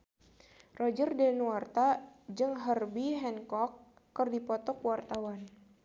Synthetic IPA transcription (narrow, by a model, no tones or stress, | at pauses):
rɔd͡ʒərdɛnuart̪ad͡ʒɨŋɦərbiɦɛnkɔkː | ərdipɔt̪ɔkwart̪awan